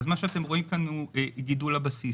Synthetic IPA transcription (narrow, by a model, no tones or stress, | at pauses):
zmaʃeat̪e̞mʁo̞imkanueɡidulabasi